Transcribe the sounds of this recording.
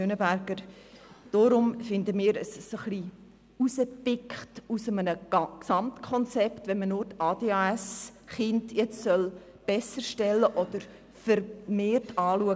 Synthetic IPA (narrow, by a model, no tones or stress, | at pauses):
ønəbæɾɡəɾ | d̥oɾʊmfɪndəmiːɾəsːoχli | usəpɪkχtusəmənəksɑmtkʰɔnt͡sɛptʋɛnmənʊɾtɑːdeɑɛsχɪndjɛt͡ssœl | b̥ɛsəɾʃtɛlːəʔɔd̥̪əɾ | fəɾmeːrtʰɑːluə